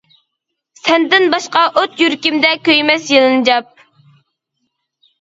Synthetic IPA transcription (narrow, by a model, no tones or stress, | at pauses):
sɛnd̪ɪnbɑʃqɑʔot̪jyɾkʲimd̪ɛkʲøjmɛsjɨlˠɨnɨd͡ʒɑp̚